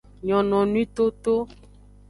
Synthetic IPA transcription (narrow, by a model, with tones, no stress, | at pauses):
ɲɔ̃˨nɔ̃˨nũ˦ĩ˦t̪o˦t̪o˦